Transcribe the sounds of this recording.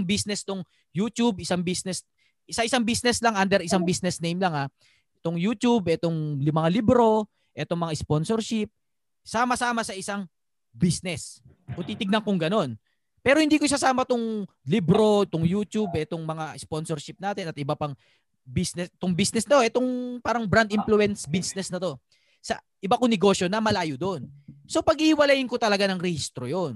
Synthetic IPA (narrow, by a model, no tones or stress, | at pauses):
ŋbisnɛst̪oŋ | juːt̪ubɪsaŋbisnɛs | sɐʔɪsaŋbisnɛslɐŋʔand̪ɛɾɪsaŋbisnɛsnejmlɐŋa | ɪt̪oŋjuːt̪ubʔɛt̪oŋlmɐŋalibɾo̞ | ʔɛt̪o̞ŋmɐŋaɪsponsɔɾʃɪp̚ | saːmɐsaːmɐsɐʔɪsaŋ | bisnɛs | ʔʊt̪iːt̪ɪɡ̚nɐŋkʊŋɡɐno̞n | pɛːɾohɪnd̪iːkosasaːmɐt̪ʊŋ | libɾo̞t̪oŋjuːt̪jubɛt̪o̞ŋmɐŋasponsoɹʃɪp̚naːt̪ɪnɐt̪ʔɪbapɐŋ | bisnɛsɛt̪oŋbisnɛsnɐt̪oʔɛt̪o̞ŋpaːɾɐŋbɾand̪ʔɪmpluɛnsbisnɛsnɐt̪o̞ | sɐ̰ | ʔɪbakoŋnɛɡo̞sjo̞nɐmɐlaːjod̪onso̞pɐɡihɪwɐlɐjɪŋkot̪ɐlɐɡanɐŋɾɛhist̪ɾojon